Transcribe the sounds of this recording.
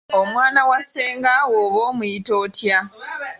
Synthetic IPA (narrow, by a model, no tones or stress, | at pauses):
omwaːnawaseːŋɡawoβoːmuito̞ːtja